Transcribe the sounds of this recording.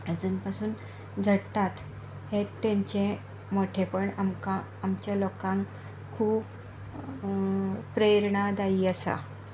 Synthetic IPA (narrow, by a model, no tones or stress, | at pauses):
əd͡zunpasuːn | d͡zʱəɽt̪at̪ | het̪ːẽɲt͡ɕẽ | moʈʰepəɳamkaː | mt͡ɕjalɔkãŋk | kʰuːb | pɾejɾɳad̪aiːəsa̰